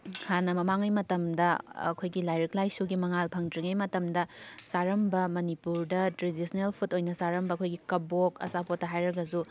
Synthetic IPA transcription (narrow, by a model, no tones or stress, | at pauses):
hʰanɐmɐmaŋɐjmɐtɐmdɐɐ̰kʰojɡilajɾɐklajsuɡimɐŋalpʰɐŋtɾiŋɐjmɐtɐmdɐsaɾɐmbɐmɐnipuɾdɐtɾedisɐnelpʰutojnɐsaɾɐmbɐɐkʰojɡikɐbokɐ̰sapotːɐɦajɾɐɡɐzu